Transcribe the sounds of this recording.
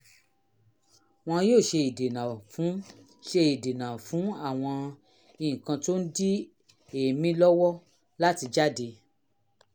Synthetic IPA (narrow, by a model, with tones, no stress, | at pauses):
w̃ɔ̃˧joː˦˨ʃe˧i˨de˨nã˨fũ˨˦ | ʃe˧i˨de˨nã˨fũ˨˦a˦˨w̃ɔ̃˧ | i˨ĩ˨kã˧to˦n̩˦di˦ | e˨mĩ˦lɔ˦wɔ˦ | la˦ti˧d͡ʒa˦˨de˧